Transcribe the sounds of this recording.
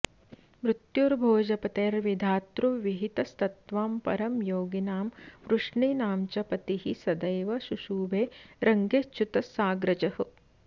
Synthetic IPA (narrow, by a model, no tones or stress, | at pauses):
mɾut̪juɾbʱoːd͡ʒɐpɐt̪eːɾʋid̪ʱaːt̪ɾuʋiɦit̪ɐst̪ɐt̪ʋaːmpɐ̰ɾɐmjoːɡinaːmʋɾuʂɳiːnaːmt͡ʃɐpɐt̪iɦisɐd̪ɐjʋɐʃuʃuːʋeːɾɐŋɡest͡ʃut̪ɐsaːɡɾɐt͡ʃɐhɐ